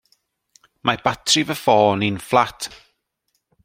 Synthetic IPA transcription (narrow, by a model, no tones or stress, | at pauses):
mabatʰrɪvəfɔːninflˠatʰ